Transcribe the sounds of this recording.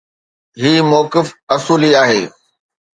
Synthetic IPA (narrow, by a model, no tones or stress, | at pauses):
ɦiːmɔːkɪfɐsuːliaːɦeː